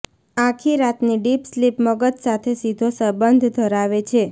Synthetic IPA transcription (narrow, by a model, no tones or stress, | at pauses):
ãkʰiɾat̪niɖipslipməɡət̪sat̪ʰesid̪ʱosəbənd̪ʱd̪ʱəɾaʋet͡ʃʰe